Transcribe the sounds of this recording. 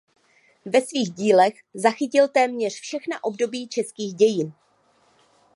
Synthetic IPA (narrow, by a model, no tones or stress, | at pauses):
vɛsviːɣɟiːlɛx | zaxɪcɪlt̪ɛːmɲɛr̝̥fʃɛxnaʔo̞bdo̞biːt͡ʃɛskiːɣɟɛjɪn